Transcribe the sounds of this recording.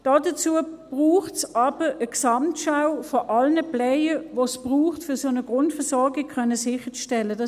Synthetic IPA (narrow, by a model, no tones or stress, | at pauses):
d̥ɑːdɐt͡suəb̥ʁuːχtsʔɑbəʔəksɑmtʃaʊfɔʔɑlnəplɛɪəʋosb̥ʁuːχtfʏɐsonəɡ̥ʁʊntfɛɐsɔɐɡɪk̚kʰœnəsɪχət͡sʃtɛlːədɑ